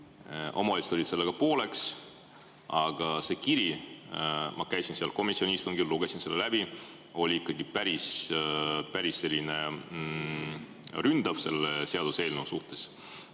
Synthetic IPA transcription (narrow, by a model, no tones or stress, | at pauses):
ʔo̞̰mɑlist̪olit̪se̞lːeɡ̥ɑpo̞ːle̞ks | ɑɡ̥ɑse̞ːkiɾi | mʔɑ̰kæjsinseɑlko̞misio̞nʲiiːst̪uŋɡilluɡ̥e̞sinse̞lːelæb̥i | o̞lʲiikˑːɑɡ̥ipæɾis | pæɾisːe̞lʲːine̞ | rynd̪̥ɑvse̞lese̞ɑd̪use̞ːlnusuht̪e̞s